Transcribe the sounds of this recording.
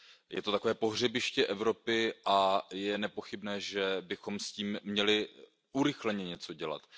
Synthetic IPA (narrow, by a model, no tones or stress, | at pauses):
jɛ̰t̪o̞t̪ako̞vɛːpo̞ɦr̝ɛbɪʃcɛʔɛvɾo̞pɪʔajɛnɛpo̞xɪbnɛːʒɛbɪxo̞msciːmːɲɛlɪ | ʔuɾɪxlɛɲɛɲɛt͡so̞ɟɛla̰t̪